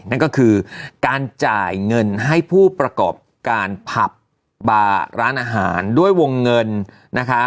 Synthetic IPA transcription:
na˥˩nkɔː˥˩kʰɯː˧kaː˧nt͡ɕaː˨˩jŋɤ˧nɦa˥˩jpʰuː˥˩pɾa˧kɔː˨˩p̚kaː˧npʰa˨˩p̚ | baː˧ɾa̰ː˦˥nʔaː˧ɦa̰ː˩˦ndu˥˩əjwo˧ŋːɤ˧nː | a˦˥kʰa˦˥

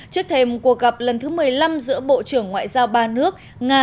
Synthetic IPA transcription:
t͡ɕɨ˦˥ək̚t̪ʰe˧mku˨˩ək̚ɣa˨˩p̚lə˨˩nt̪ʰɨ˨˦mɨ˨˩əjla˧mzɨ̰˧˥əɓo̰˧˨t͡ɕɨ˧˩əŋːwa̰ː˧˨jzaː˧wɓaː˧nɨ˦˥ək̚ | ŋaː˧

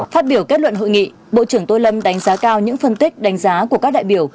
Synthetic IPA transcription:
faː˦˥t̚ɓi˧˩əwke˦˥t̚lwə̰˧˨nɦo̰˧˨jŋḭ˧˨ | ɓo̰˧˨t͡ɕɨ˧˩əŋt̪o˧jlə˧mɗa˨˦jŋ̟zaː˨˦kaː˧wɲɨ̰˧˥ŋfə˧nt̪i˦˥k̟̚ɗa˨˦ŋ̟zaː˨˦kəkaː˦˥k̚ɗa̰ː˧˨jɓi˧˩əw

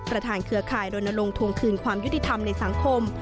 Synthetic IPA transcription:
pɾa˧t̪ʰaː˧nkʰɯ˧˩ɐkʰaː˨˩jdoː˧jna˧ɾo˧ŋt̪ʰu˧əŋk̪ʰɯː˨˩nkʰwaː˧mju˦˥t̪ʰːi˧t̪ʰa˧mna˧jsa˩˦ŋkʰo˧m

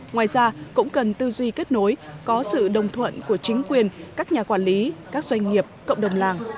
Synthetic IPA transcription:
ŋwaː˨˩jzaː˧kʊ̰˧˥ŋ͡mkə˨˩nt̪ɨ˧zwi˧ke˦˥t̚no˨˦jkɔ˨˦sɨ̰˧˨ɗə˨˩wŋ͡mt̪ʰwə̰˧˨nku˧˩ət͡ɕï˨˦ŋ̟kwi˨˩ənkaː˦˥k̚ɲaː˨˩kwaː˧˩nli˨˦kaː˦˥k̚zwa˧jŋ̟ŋi˨˩əp̚kə̰˧˨wŋ͡mɗə˨˩wŋ͡mlaː˨˩ŋ

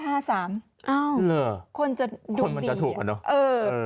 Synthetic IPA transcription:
ɦaː˥˩saː˩˦m | ʔa˧˥˩wlɤː˧˩kʰo˧nt͡ɕa˨˩dʰkuo˧nnma˧nit͡ɕa˨t̪ʰuː˨˩k̚ʔa˨˩nɔ˦˥ʔɤː˧

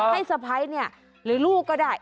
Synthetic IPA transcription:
a˥˩jsa˧˩pʰa˨˦˥jni˥˩ɐ | ɾɯː˨˦luː˥˩kɔː˥˩daː˥˩j

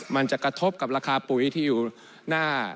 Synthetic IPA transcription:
ma˧nt͡ɕa˨˩ʔkɾa˧t̪ʰo˦˥p̚ka˨˩p̚ɾaː˧kʰaː˧pu˨˩˦jt̪ʰiː˥˩juː˨˩ | naː˥˩

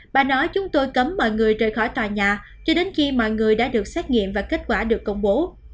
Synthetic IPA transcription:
ɓa̰ː˧˨nɔ˨˦jt͡ɕʊ˨˦ŋ͡mt̪o˧jkə˨˦mːɔ̰˧˨jŋɨ˨˩əjzəː˨˩jxɔ˧˩jt̪waː˨˩jɲaː˨˩ | t͡ɕɔ˧ɗe˨˦nxi˧mɔ̰˧˨jŋɨ˨˩əjɗa̰ː˧˥ɗɨ˨˩ək̚sɛ˦˥t̚ŋḭ˧˨əmvaː˨˩ke˦˥t̚kwaː˧˩ɗɨ˨˩əkːə˧wŋ͡mɓo˨˦

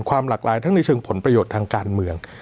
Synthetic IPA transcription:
nkʰwaː˧mlaː˨˩k̚laː˩˦jt̪ʰa˥˩ŋna˧jt͡ɕʰɤː˧ŋpʰo˩˦npɾa˧joː˨˩t̪ʰːaː˧ŋkaː˧nmɯ˧əŋ

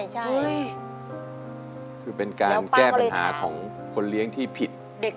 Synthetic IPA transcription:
j | kʰɯː˧pe˧nkaː˧˦nkɛː˥˩˥a˧nɦa̰ː˩˦kʰɔː˩˦ŋ | kʰo˧nli˦˥əŋt̪ʰiː˥˩pʰi˨˩t̪̚ | de˨˩k̚

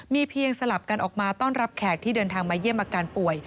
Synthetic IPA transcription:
miː˧pʰi˧əŋsa˧la˨˩p̚ka˧nʔɔː˨˩k̚maː˧t̪ɔː˥˩nɾa˦˥p̚kʰɛː˨˩k̚t̪ʰiː˥˩dɤː˧nt̪ʰaː˧ŋmaː˧ji˥˩əmʔaː˧kaː˧npu˨˩əj

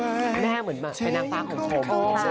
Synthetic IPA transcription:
mɛː˥˩mɯ˩˦ənmaː˧˩t͡ɕʰa˧jnaː˦˥k̚faː˧˩kʰːɔ˨˩˦ŋpʰo˨˩˦m˧

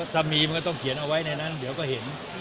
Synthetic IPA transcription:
t̪a˧miː˧ma˧nkɔː˥˩t̪ɔ˥˩ŋkʰi˩˦nʔa˧wa˦˥jna˧jna˦˥˨ndi˦wkɔː˥˩he˩˦n

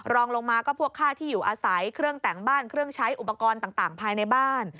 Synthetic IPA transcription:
ɾɔː˧ŋlo˧ŋmaː˧kɔː˥˩pʰu˥˩kʰːaː˥˩t̪ʰiː˥˩juː˨˩ʔaː˧sa˩˦jkʰɾɯ˥˩əŋt̪ɛ˩˦ŋbaː˥˩nkʰɾɯ˥˩əŋt͡ɕʰa˦˥jʔu˨˩pːa˧kɔː˧nt̪aː˨˩ŋt̪aː˨˩ŋpʰaː˧jna˧jbaː˥˩n

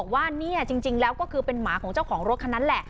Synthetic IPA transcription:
k̚waː˥˩niː˥˩ɐt͡ɕi˧ŋt͡ɕi˧ŋlɛː˦˥wkɔː˥˩kʰɯː˧pe˧nmaː˩˦kʰɔː˩˦ŋt͡ɕa˥˩wkʰɔː˩˦ŋɾo˦˥kʰa˧nːa˦˥nlɛ˨˩ʔ

